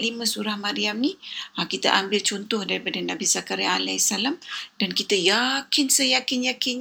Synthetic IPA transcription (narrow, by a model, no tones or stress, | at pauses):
limə̃suɾahmãɾiamniakit̪a̰ʔambɪlt͡ʃɔnt̪ɔhdaɾipadanabisakaɾaalɛsalamdankit̪ajakɪnsəjakɪnjakɪn